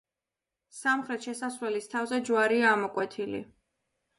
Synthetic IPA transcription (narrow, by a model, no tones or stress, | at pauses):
samχɾɛt̪ʃɛsasvlɛlist̪ʰavzɛd͡ʒwaɾiaːmɔkʼwɛt̪ʰilḭ